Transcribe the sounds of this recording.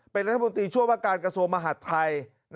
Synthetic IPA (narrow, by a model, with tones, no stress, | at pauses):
pe˧nɾa˦t̪ʰa˧˩o˧nt̪ɾiː˧t͡ɕʰu˥˩əwaː˥˩kaː˧nkɾa˧su˧əŋma˧ɦa˨˩˥t̪ʰːa˧j | n